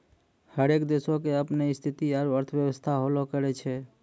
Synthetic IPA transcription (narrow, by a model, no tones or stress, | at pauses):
həɾekd̪esokeəpneist̪ʰit̪iaɾəɾt̪ʰbjəwəst̪ʰaɦolokəɾɛt͡ʃʰɛ